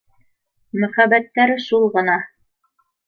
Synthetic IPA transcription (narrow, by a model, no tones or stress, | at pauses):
mɵ̆χæβæt̪ːæɾɘʃulˠʁɤ̆nɑ